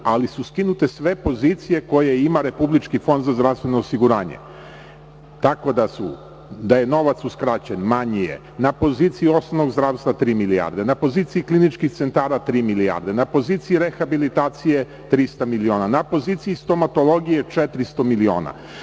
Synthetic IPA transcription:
alisuskinut̪e̞sʋe̞po̞zit̪sije̞ko̞jeimaɾe̞publit͡ʃkifo̞nd̪zazd̪ɾavst̪ʋe̞no̞ːsiɡuɾaːɲḛ | t̪ako̞d̪asu | d̪aje̞no̞ʋat̪suskɾat͡ɕenmaɲije̞̰ | napo̞ziːt̪siio̞snonoɡzd̪ɾaʋst̪vat̪ɾiːmilia̰ɾd̪e̞napo̞ziːt̪siiklinit͡ʃkixt̪se̞nt̪aːɾat̪ɾiːmilia̰ɾd̪enapo̞ziːt̪siiɾe̞xabilit̪aːt̪sije̞ | t̪ɾist̪amilio̞ːnanapo̞ziːt̪siist̪o̞mat̪o̞lˠo̞ɡijet͡ʃet̪ɾist̪o̞milio̞ːna̰

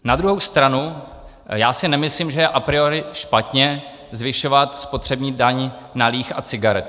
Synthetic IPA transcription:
nad̪ɾuɦowst̪ɾanu | jaːsɪnɛmɪslimʒɛjɛʔapɾɪoɾɪʃpat̪ɲɛ | zvɪʃo̞vat̪spo̞t̪r̝̥ɛbɲiːdaɲ | naliːxa̰t͡sɪɡaɾɛt̪̚

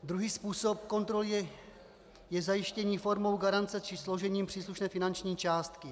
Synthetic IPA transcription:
d̪ɾuɦiːspuːso̞pko̞nt̪ɾolɛ | jɛzajɪʃcɛɲiːfo̞ɾmo̞wɡaɾant͡sɛt͡ʃɪsloʒɛɲiːmpr̥iːsluʃnɛːfɪnant͡ʃɲiːt͡ʃaːst̪kɪ

